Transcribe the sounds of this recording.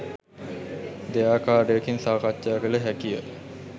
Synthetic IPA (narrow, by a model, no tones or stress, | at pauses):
d̪ejaːkaːɖəjəkinsaːkatʃaːɡələɦækijə